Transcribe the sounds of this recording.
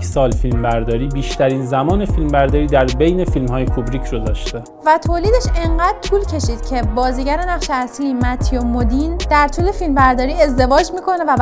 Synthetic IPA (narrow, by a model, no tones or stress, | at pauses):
sɒːlfilmbæɾd̪ɒːɾiːbiːʃt̪ʰæɾiːnzæmɒːnefilmbæɾd̪ɒːɾiːd̪æɾbejne̞filmhɒːjekʰubɾiːcʰɾod̪ɒːʃt̪e | væt̪ʰoːliːd̪eʃe̞ɴɢæːd̪̥̚t̪ʰuːlcʰe̞ʃiːd̪̥cʰe̞bɒːziːɟæɾenæχʃeæsliːmæt̪ʰjomod̪iːnd̪æɾt̪ʰuːlefilmbæɾd̪ɒːɾiːe̞zd̪e̞vɒːd͡ʒmiːkʰo̞nevæ